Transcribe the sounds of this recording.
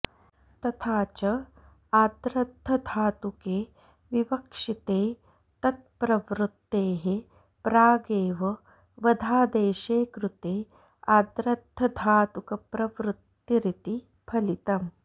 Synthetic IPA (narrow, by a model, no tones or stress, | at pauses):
t̪ɐt̪ʰaːt͡ʃɐ | aːd̪ɾɐd̪ʱːɐd̪ʱaːt̪ukeː | ʋiʋɐkʂit̪eː | t̪ɐt̪̚pɾɐʋɾut̪ːeːɦe | pɾaːɡeːʋɐ | ʋɐd̪ʱaːd̪eːʃeːkɾut̪eː | aːd̪ɾɐd̪ʱːɐd̪ʱaːt̪ukɐpɾɐʋɾut̪ː | jiɾit̪i | pʰɐlit̪ɐm